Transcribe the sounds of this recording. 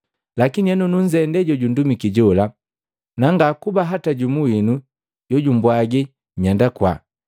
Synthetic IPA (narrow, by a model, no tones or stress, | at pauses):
lakiniɛnɔnuɲd͡ʒɛndɛɟɔɟundumikiɟɔla | naŋɡakubaɦataɟumuwinu | ɟɔɟumbwaɡi | ɲandakwa̰